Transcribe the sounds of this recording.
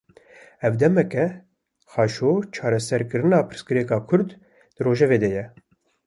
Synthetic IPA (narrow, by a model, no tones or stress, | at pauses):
ɛvd̪ɛmɛkɛ | xɑːʃoːt͡ʃʰɑːɾɛsɛɾkɨɾɨnɑːpʰɨ̥ɾskɨɾɛkɑːkʰʊɾd̪ | d̪̥ɨroːʒɛveːd̪ɛjɛ